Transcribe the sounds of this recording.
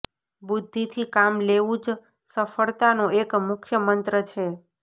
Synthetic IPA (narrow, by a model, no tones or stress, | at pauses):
bud̪ʱːit̪ʰikamleʋũd͡ʒ | səfəɭt̪anõekmʊkʰjəmənt̪ɾət͡ʃʰe